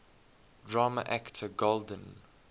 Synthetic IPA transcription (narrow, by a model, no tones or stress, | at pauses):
dɹamə̰ʔæktʰəɡoldə̃n